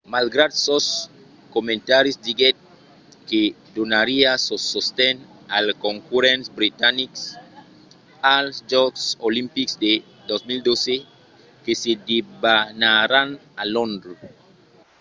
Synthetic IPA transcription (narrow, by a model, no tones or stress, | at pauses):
malɡɾad̪sos | komẽnt̪aɾjisdiɡɛt̪̚ | ke | d̪onaɾiasosost̪ɛn | alkoŋkuɾɛnsbɾit̪aniks | alsd͡ʒɔɡsolimpiksd̪e | d̪osmild̪ose | kesedibanaɾanalɔ̃nd̪ɾ